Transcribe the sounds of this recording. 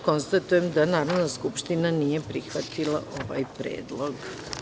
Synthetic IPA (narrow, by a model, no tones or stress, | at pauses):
ko̞nst̪at̪ujemd̪anaːɾoʋd̪naskupʃt̪inanijepɾixʋat̪ilˠa̰ʔo̞ʋa̰jpɾḛːd̪lˠoɡ